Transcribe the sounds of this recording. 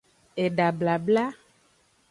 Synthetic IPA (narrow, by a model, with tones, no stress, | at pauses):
e˨ɖa˨bla˨bla˦